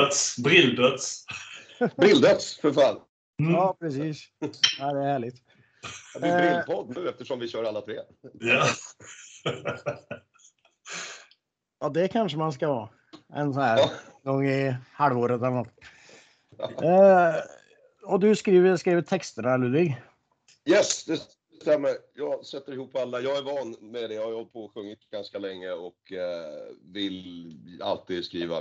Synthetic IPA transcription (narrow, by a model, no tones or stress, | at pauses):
t̪sbɾɪld̪œt̪s | bɾɪld̪œt̪sfɔɾfal | ɑːpʰɾɛsiːsæɪd̪ɛæɾhæːɭɪɡt̪ | d̪ɪpʰɔd̪nʉːɛft̪əʂɔmvɪɕœːɾalːat̪ʰɾeː | jɑ | jɑːd̪ɛkʰanʂəmanskɑhɑ̰ː | ɛ̰nsɔnæːɾɡɔŋːɪhɑlvoːɾət̪ɛlːnat̪ː | ɔd̪ɵskɾiːvəskɾiːvət̪ʰɛkst̪əɳɭʉːd̪vɪɡ | jɛsd̪ɛ | ɛst̪ɛmːəɾjɑːɡsɛt̪ːəɾɪhuːpʰːalːajɑːɡæɾvɑːnmɛd̪ɛjɑhaɾjapʰoːɧɵŋːɪt̪ɡ̥anskalɛŋːəɔk | vɪla̰lt̪iːd̪skɾiːva̰